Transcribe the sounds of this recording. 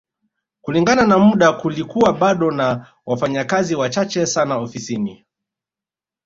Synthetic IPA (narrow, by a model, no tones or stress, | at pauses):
kuliŋɡananamuɗakulikuwaɓaɗɔna | wafaɲakaziwat͡ʃat͡ʃɛsanaɔfisini